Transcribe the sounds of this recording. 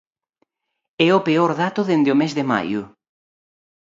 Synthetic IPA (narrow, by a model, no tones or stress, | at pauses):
ɛopeoɾðat̪ʊðend̪ɪomezðema̰jʊ